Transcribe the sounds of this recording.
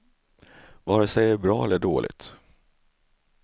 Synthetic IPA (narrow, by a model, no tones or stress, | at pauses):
vɑːɾəsɛjəɾbɾɑːɛlːəɖo̰ːlɪ̰t̪